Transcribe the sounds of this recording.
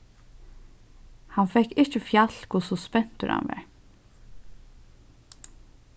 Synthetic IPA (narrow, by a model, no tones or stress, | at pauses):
hɑnfɛkɪçəfjɑlkʊsɔspɛnt̪ʉ̰ɾɑ̰nʋɑ̰ɹ